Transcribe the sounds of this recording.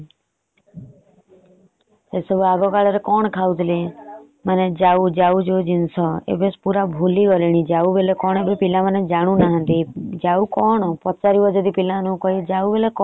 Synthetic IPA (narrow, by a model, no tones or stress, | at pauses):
esəbuaɡɔkaɭeɾɛkɔɳ̃kʰaud̪le | maned͡ʒaud͡ʒaud͡ʒd͡ʒinsɔḛbespuɾabʱuliɔliɽ̃id͡ʒaubelekɔɳebepilaməned͡ʒaɽ̃ũnaɦə̃nt̪id͡ʒaukɔɳpɔt͡ʃaɾiʋɔd͡ʒɔd̪ipilanũkɔɦid͡ʒaubelekɔ